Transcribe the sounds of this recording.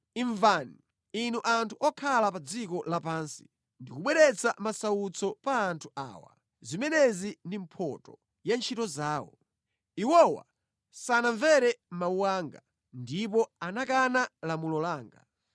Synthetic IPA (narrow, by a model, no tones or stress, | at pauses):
iɱvani | inuʔantʰuʔɔkʰalapad͡zikɔlapaːnsi̥ | ndikuɓwɛɾɛt͡samasaut͡sʰɔpaːntʰu̥ʔa̰ːwa̰ | zimɛnɛzindimpʰɔ̰tɔ | jant͡ʃʰitɔzaːwɔ̰ | iwɔwa̰ | sanaɱvɛɾɛmauwaːŋɡa | ndip̬ɔanakanalamulɔlaːŋɡa̰